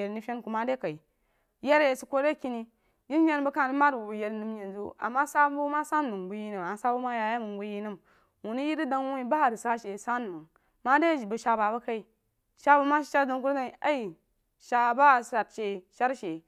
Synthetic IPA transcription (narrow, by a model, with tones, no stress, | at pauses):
e˨ɾni˦fʲe˦nku˨ma˦de˦ka˨i˨ | je˦ɾe˨su˦kʷo˦ɾe˦ki˦ni˦ | ji˦e˦n˦bə˦ka˦˨ni˦ma˦du˨bu˨je˨˧ɾnɨ˨mje˨nzṵ˦a̰˨mːa˦sa˦bu˦ma˦sa˦n˨mu˨ŋbu˨ji˦nɨ˨ma˨n˦sa˦bu˦ma˦ja˨ja˦mu˨ŋbu˨ji˦nɨ˦m | wu˨ni˦ji˦ɾi˦da˦ŋwu˦i˦ba˦˨ɾi˨sa˦ʃe˨sa˦n˨mɨ˨ŋ | ma˦de˦˨bə˨ʃa˧ba˨ba˦ka˦i˨ | ʃa˦bu˨ma˦ʃi̥˨ʃa˦ɾda˨ŋku˦ɾza˦˨a˦i˨ | ʃa˧ba˦˨sɾa˨tʃe˨ʃa˦ɾʃe˨